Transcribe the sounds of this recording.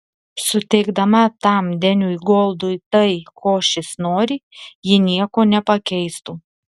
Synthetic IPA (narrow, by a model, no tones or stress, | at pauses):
sʊt̪ʲɛɪɡd̪ɐmɐt̪ɐˑmd̪ʲɛnʲuːiɡoːlˠd̪ʊːt̪ɐɪkʰoːʃʲɪsnoːɾʲɪjɪnʲiɛkoːnʲɛpɐkʲɛɪst̪uː